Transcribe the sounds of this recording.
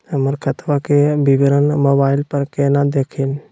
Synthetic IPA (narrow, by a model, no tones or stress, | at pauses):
ɦəməɾkʰət̪ʋakebɪʋɾənmoːbaːɪlpəɾkeːnad̪eːkʰin